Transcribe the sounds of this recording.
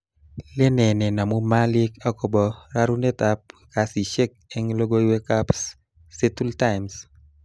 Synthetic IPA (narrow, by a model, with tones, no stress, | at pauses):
le˦nɛ˨nɛ˨na˨mu˦ma˦lɪ˦ka˦ko˨bɔ˨ɾa˦ɾu˦ne˦t̪a˦p̚ka˨si˨ʃe˦k̚e˦ŋlo˦ɡo˦iwe˦ka˦psː | e˦tu˦ltaɪms